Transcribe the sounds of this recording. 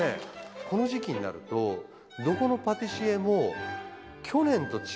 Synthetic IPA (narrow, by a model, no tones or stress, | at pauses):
ḛkʰo̞no̞ʑikʲiɲ̟ina̰ɾɯ̟̰t̪o̞ | d̪o̞ko̞no̞pat̪iɕie̞mo̞ | kʲʰo̞nẽ̞nt̪o̞t͡ɕ